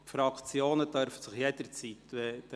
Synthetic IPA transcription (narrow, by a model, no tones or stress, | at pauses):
fɾɑkʰt͡sjoːnədœɾfəsɪχjed̥əɾt͡sit̪ʋɛ̥